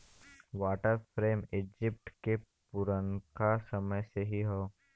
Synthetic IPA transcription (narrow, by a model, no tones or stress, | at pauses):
ʋaːʈəɾfɾeːmɪd͡ʒɪp̚ʈkepʊɾənkasɐməjseɦiɦoː